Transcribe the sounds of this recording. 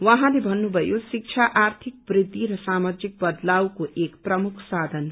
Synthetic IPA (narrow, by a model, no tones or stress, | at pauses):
wʌɦãlebʱʌnːubʱʌjosik̚t͡ʃʰaʔart̪ʰik̚brid̪ːiɾʌsamad͡ʒik̚bʌd̪lawkoʔekprʌmukʰsad̪ʱʌn